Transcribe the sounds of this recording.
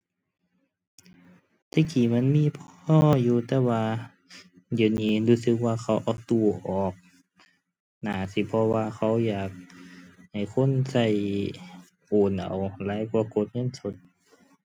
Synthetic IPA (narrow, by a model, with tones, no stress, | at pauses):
t̪ʰa˧˩kiː˨˩˦ma˧˥˨nmiː˧˨pʰɔː˧˥˩juː˧t̪ɛː˧waː˧ | diː˨˩˦niː˧˨luː˧sɯ˧˦k̚waː˧xʰa˧˩wʔaː˨˩t̪u˧˩ʔɔː˨˩k̚ | naː˨˩si˧˦pʰɔ˧waː˧kʰa˧˥˩wjaː˨˩k̚ha˨˩jkʰo˧˥˨nsa˧˩j | ʔoː˨˩nʔa̰˨˩wlaː˨˧˦jkwaː˧ɐko˧˦t̪̚ŋɤ˧˥˨nso˧˦t̪̚